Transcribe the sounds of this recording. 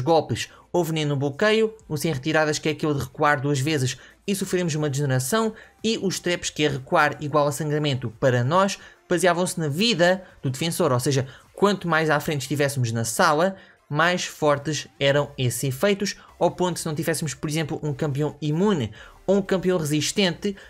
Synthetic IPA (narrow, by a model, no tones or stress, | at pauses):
uʒɣɔlˠpɨʃ | ovnẽj̃nuβlukɐjuusẽj̃ʁɨt̪iɾaðɐʃkɛɐkilˠðɨʁɨkuaɾd̪uɐʒvezɨʃ | isufɾemuzumɐðʒɨnɨɾɐsɐ̃w̃ | iʔuʃt̪ɾɛpʃkɛʁɨkuaɾiɣwalˠɐsɐ̃ŋɡɾɐmẽnt̪upɐɾɐnɔʃb̥ɐziavɐ̃w̃snɐviðɐd̪̥uðɨfẽsoɾoseʒɐkwɐ̃nt̪umajzafɾẽnt̪ʃt̪ivɛsmuʒnɐsalˠɐ | majʃfɔɾt̪ɨʃɛɾɐ̃w̃eszifɐjt̪uʃawpõnt̪u̥sɨnɐ̃w̃t̪ivɛsmuʃpɔɾizẽmplˠuʔũkɐ̃mpiɐ̃w̃imunɨ | oũkɐ̃mpiɐ̃w̃ʁɨziʃt̪ẽnt̪ɨ